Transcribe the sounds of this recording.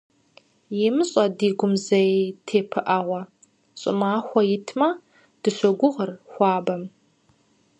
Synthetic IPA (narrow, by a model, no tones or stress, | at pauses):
jɪmɨɕʼɐdiːɡʷʊmzɐetʰeːpʰɨʔɐʁʷɐ | ɕʼɪ̰maːxʷɔjɪtʰmɐ | d̥ɨɕʷɔɡʷʊʁərxʷɑːbɐm